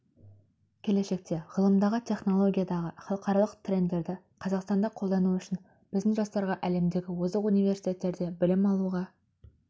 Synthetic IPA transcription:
kʲʰe̞le̞ʃe̞k̚t̪ʰe̞ʁəlˠəmd̪ɑʁət̪ʲʰe̞χno̞lˠo̞ɡʲijad̪ɑʁəχɑlˠəqʰɑɾɑlˠəqt̪ʰrʲe̞nd̪e̞ɾd̪ɪ | qʰɑzɑqst̪ɑnd̪ɑqʰo̞lˠd̪ɑnuʏʃɪn | b̥ɪzd̪ɪŋʒɑst̪ɑɾʁɑʔæle̞md̪e̞ɡʲɪwozəqunijve̞ɾsi̥jt̪ʲe̞t̪ːe̞ɾd̪e̞bɪlɪmɑlˠuʁɑ

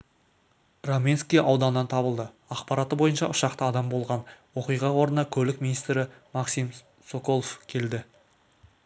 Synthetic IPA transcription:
romʲinskʲijʔɑwd̪ɑnːɑnt̪ʰɑbəlˠd̪ə | ɑqpɑɾɑt̪əbo̞jənʃɑ̰ʔʊʃɑqt̪əɑd̪ɑmbo̞lˠʁɑnwo̞qijʁɑwo̞ɾənɑkʲʰɵlɪkminijst̪ɾɪmɑqsim | soko̞lˠofkʲʰe̞ld̪ɪ

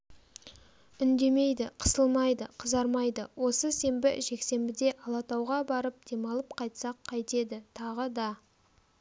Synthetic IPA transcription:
ʏnd̪e̞me̞jd̪ɪqʰə̥səlˠmɑjd̪əqʰəzɑɾmɑjd̪əwo̞səse̞mbɪ̰ʒe̞kse̞mbɪd̪e̞ʔɑlˠɑt̪ɑwʁɑbɑɾəp̚d̪̥e̞mɑlˠəp̚qʰɑjt̪sɑqʰːɑjt̪e̞d̪ɪt̪ʰɑʁəd̪ɑ

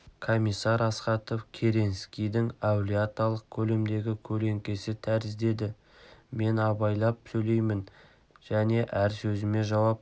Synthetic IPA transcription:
kʰomijsːɑɾɑsqɑt̪ofkʲʰe̞ɾe̞nskʲijd̪ɪŋɑwlʲiat̪alˠəq̚kʲʰɵle̞md̪e̞ɡʲɪkʲʰɵle̞ŋkʲe̞sɪt̪ʰæɾɪzd̪e̞d̪ɪ | me̞nɑbɑjlˠɑp̚sɵjle̞jmɪn | ʒ̥æne̞ʔæɾsɵzɪme̞ʒɑwɑp

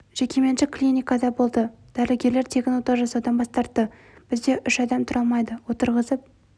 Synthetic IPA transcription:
ʒ̥e̞kʲʰe̞me̞nʃɪklʲinijkɑd̪ɑbo̞lˠd̪ə | d̪̥æɾleɡʲe̞ɾle̞ɾt̪ʰe̞kʲɪnwot̪ɑwʒɑsɑwd̪ɑnbɑst̪ɑɾt̪ːə | b̥ɪzd̪e̞ʔʏʃɑd̪ɑmt̪ʰʊɾʔɑlˠmɑjd̪əwo̞t̪əɾʁəzəp̚

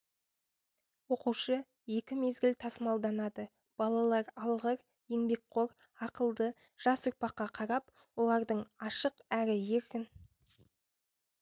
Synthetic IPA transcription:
wo̞quʃə | je̞kʲɪme̞zɡʲɪlt̪ʰɑsəmɑlˠd̪ɑnɑd̪ə | b̥ɑlˠɑlˠɑɾɑlˠʁəɾ | e̞ŋbe̞k̚qʰo̞ɾɑqəlˠd̪ə | ʒ̥ɑsʊɾpɑqːɑqʰɑɾɑp̚ | wo̞lˠɑɾd̪əɴɑʃəqæɾɪje̞ɾkʲɪn

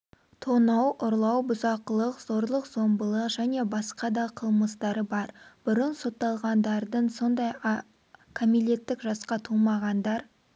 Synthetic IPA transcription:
t̪ʰonɑwʔʊɾlˠɑwbʊzɑqəlˠəqz̥o̞ɾlˠəqz̥o̞mbəlˠəqʒæne̞bɑsqɑd̪ɑqʰəlˠməst̪ɑɾəbɑɾb̥ʊɾənso̞t̪ːɑlˠʁɑnd̪ɑɾd̪əɴso̞nd̪ɑj | kʰomile̞t̪ːɪkʒɑsqɑt̪ʰulˠmɑʁɑnd̪ɑɾ

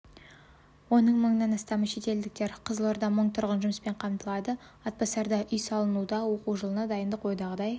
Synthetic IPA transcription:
wo̞nəɴməɴənɑnɑst̪ɑməʃe̞t̪e̞ld̪ɪk̚t̪e̞ɾqʰəzəlˠoɾd̪ɑməɴt̪ʰʊɾʁənʒʊməspe̞ɴqʰɑmt̪əlˠɑd̪ə | ɑt̪̚pɑsɑɾd̪ɑʔʏjsɑlˠənud̪ɑwo̞quʒəlˠənɑd̪ɑjənd̪əqʰojd̪ɑʁəd̪ɑj

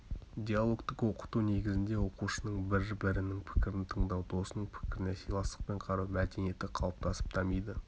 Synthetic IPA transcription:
d̪ʲejalˠo̞kt̪əqwo̞qə̥t̪une̞ɡʲɪzɪnd̪e̞wo̞quʃənəɴbɪɾbɪɾɪnɪŋpʰɪ̥kʲɪɾɪnt̪ʰəɴd̪ɑwd̪ʰo̞sənəɴpʰɪ̥kʲɪɾɪnesijlˠɑsə̥q̚pe̞ɴqʰɑɾɑmæd̪e̞nije̞t̪ɪqʰɑlˠəp̚t̪ɑsə̥p̚t̪ʰɑmijd̪ə

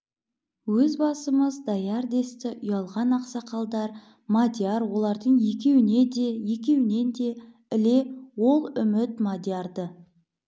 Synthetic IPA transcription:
wɵzbɑsəməzd̪ɑjɑɾd̪e̞st̪ɪʔʊjɑlˠʁɑnɑqsɑqɑlˠd̪ɑɾ | mad̪ʲjaɾwo̞lˠɑɾd̪əɴje̞kʲe̞wɪne̞d̪e̞je̞kʲe̞wɪne̞nd̪e̞ | ɪle̞wo̞lˠʏmɪt̪mad̪ʲjaɾd̪ə

